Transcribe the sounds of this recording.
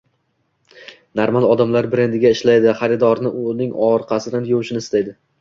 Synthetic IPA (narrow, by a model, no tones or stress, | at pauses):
naɾmalˠɒd̪amlaɾbɪɾe̞nd̪ɪɡʲaɪʃlajd̪ɪχɑɾɪd̪ɒɾnɪʔʊnɪŋɒɾqʰɑsɪd̪anjowʃɪnɪst̪ajd̪ɪ